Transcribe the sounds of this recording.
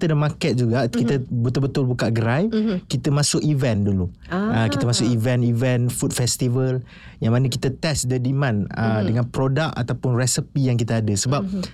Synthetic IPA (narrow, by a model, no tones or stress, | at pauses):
t̪ədamakɛt̪̚d͡ʒuɡaʔkit̪əbət̪ʊlbət̪ʊlbukaʔɡəɾajkit̪əmãsʊk̚ivɛndulu | əkit̪əmasʊkivɛnivɛnfut̚fɛst̪ivəl | jaŋmãnəki̥t̪ət̪ɛsdədimãnədəŋãnpɾodak̚a̰t̪awpʊnrɛsəpijaŋk̬it̪əadəsəbap̚